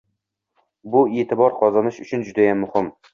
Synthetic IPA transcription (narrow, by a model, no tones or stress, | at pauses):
bʊeːt̪ʰɪbɒɾqʰɒzɑnɪʃʊt͡ʃʰʊnd͡ʒʊd̪ajamːʊhɪm